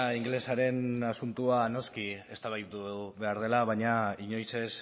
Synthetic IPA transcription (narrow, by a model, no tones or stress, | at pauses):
iŋɡle̞saɾe̞nasunt̪uano̞skie̞st̪aβajt̪uβe̞aɾð̞e̞laβ̞aɲaiɲo̞jse̞s